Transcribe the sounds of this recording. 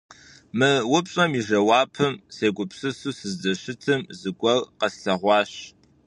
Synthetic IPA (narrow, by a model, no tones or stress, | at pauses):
mɨwʊpɕʼɐmiʒɐwɑːpʰɨmseːɡʷʊpsɨsuːsɨzdɐɕɪtʰɨmzɨɡʷɔlqɐsɬɐʁʷɑːɕ